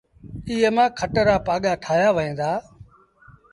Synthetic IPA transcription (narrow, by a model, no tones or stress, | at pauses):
iːemãːkʰəʈɾaːpaːɠaːʈʰaːjaːʋəẽːnd̪aː